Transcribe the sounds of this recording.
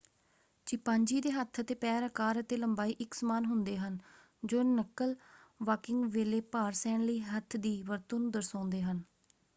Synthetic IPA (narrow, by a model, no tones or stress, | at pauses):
t͡ʃɪpaːɲd͡ʒiːd̪eːɦət̪ʰət̪eːpɛːɾəkaːɾət̪eːləmbaːiːʔɪksəmaːnɦʊnd̪eːɦən | d͡ʒoːnəkəlʋaːkɪŋɡʋeːleːpaːɾsɛːɳləiːɦət̪ʰːd̪iːʋəɾt̪onũːd̪əɾsãːnd̪eːɦən